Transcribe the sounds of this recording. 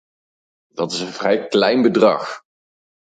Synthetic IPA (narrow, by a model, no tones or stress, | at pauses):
dɑtɪsə̃nvrɛjklɛjnbədrɑ̰χ